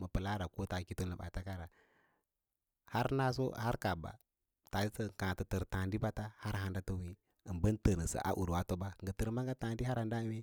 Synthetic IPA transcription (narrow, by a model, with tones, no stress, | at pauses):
mə˨pə˨la˦ɾa˨ko˦ta˨ki˦to˦nlə˨ɓa̰˨ta˦ka˦ɾa˨ | ha˦ɾna˦s̬o̰˦ha˦ɾka˨ba̰˨ | ta˨i˦sə˦˨kã˨tə˨tə˨ɾta˨ndi˦ba˦ta˦ha˦ɾɦa˨nda˦tə˦wi˦ | ə˨bə˦n˦tə˨nə˨sa̰˨ʔa̰˨ʔu˨ɾa˦to˦ba˦˨ŋ˨ɡə˨tə˨ɾma˦ŋɡa˦ta˨n˦di˦ɦa˦ɾa˨nda˦me˦